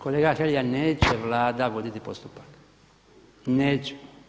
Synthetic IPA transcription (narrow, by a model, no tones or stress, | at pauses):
ko̞leːɡaxeljaneːt͡ɕeʋlaːd̪aʋo̞d̪it̪ipo̞st̪upḁk | neːt͡ɕe̥